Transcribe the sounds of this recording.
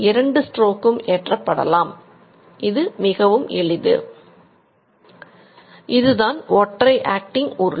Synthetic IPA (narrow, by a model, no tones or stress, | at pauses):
ɪɾɐɳɖɯsʈroːkːɯmeːʈrɐpːɐɽɐ̰laːm | ʔɪðɯmɪɣɐʋɯmʔɛ̰ɭɪðɯ̰ | ʔɪðɯðaːnɔʈːrɐɪʔaːk̚ʈɪŋʔʊɾɯ